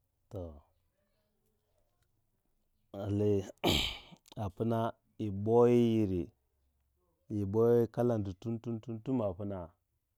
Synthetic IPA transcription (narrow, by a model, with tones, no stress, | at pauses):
to˨ | a˨li˨ | a˨pu˦na˦ | i˨bo˦ji˦ji˨ɾi˨ | i˨bo˦ji˦ka˦la˨ndu˨tu˦ntu˦ntu˦ntu˦ma˨pu˦na˨